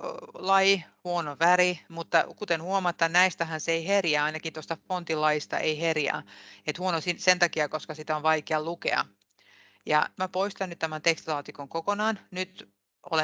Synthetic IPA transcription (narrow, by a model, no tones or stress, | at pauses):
lɑjihuonoʋæɾimut̪ːɑ̰kut̪enhuomɑt̪ːɑnnæist̪æɦænseeiherjæɑinɑkint̪ost̪ɑfont̪ilɑjist̪ɑ̰ʔeiherjɑ̰ːet̪huonosisent̪ɑkiɑkoskɑsit̪æoʋʋɑikeɑlukḛɑ̰ | jɑ̰mæpoist̪ɑnyt̪t̪æmænt̪ekst̪lɑːt̪ikoŋkokonɑːnnyt̪ | o̰le